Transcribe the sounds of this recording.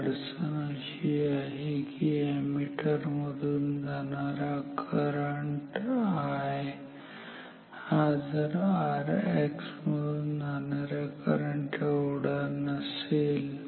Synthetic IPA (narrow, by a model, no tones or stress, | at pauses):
ɽsənaɕiaɦekiemiʈəɾməd̪ʱuːnd͡zanaɾakəɾəɳʈaɦe | had͡zəɾaɾeksməd̪ʱuːnd͡zanaɾjakəɾəɳʈewɽanəsel